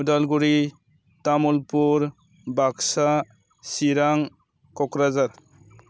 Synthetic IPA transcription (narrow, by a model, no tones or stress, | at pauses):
udalɡuɾi | tamulpuɾ | baksa | siɾaŋ | kɔkɾazat